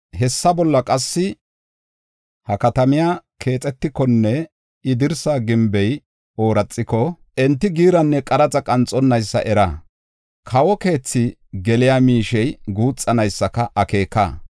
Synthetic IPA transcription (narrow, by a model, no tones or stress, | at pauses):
hɛsːɐbɔlːɐkʼɐsːɪ | hɐkɐt̪ɐmɪjaːkʰe̞ːt͡sʼɛt̪ːɪkːɔnːɛ | ɪd̪ɪɾsaːɡɪmbɛj | o̞ːɾɐt͡sʼːɪkɔ | ɛnt̪ːɪɡiːɾɐnːɛkʼɐɾɐt͡sʼɐkʼɐnt͡sʼːɔnːɐjsːɐ̰ʔɛɾɐ | kʰɐwɔke̞ːt͡sːɪɡɛlɪjaːmiːʃɛjɡuːt͡sʼːɐnɐjsːɐkɐʔɐke̞ːkːa̰ː